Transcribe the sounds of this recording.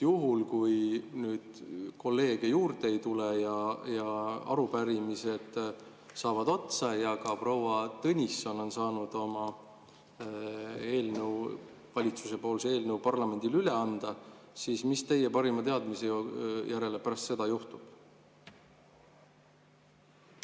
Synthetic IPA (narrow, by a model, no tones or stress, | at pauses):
juɦulkujnyːd̪̥ko̞lːe̞ːɡ̥ejuːrd̪e̞jt̪ulejɑjɑɑ̰ɾupæɾimise̞d̪̥ | sɑːvɑd̪o̞t̪sɑjɑɡɑpro̞wɑt̪ɤnʲisːono̞nsɑːnud̪̥o̞mɑ | e̞ːlnəw | vɑlʲit̪suse̞po̞ːlsee̞ːlnəwpɑrlɑme̞nʲd̪̥ilyle̞ɑnd̪̥ɑsiːsmist̪e̞je̞pɑɾimɑt̪e̞ɑd̪miseojʔæɾe̞le̞pæɾɑst̪se̞d̪̥ɑjuht̪ub̥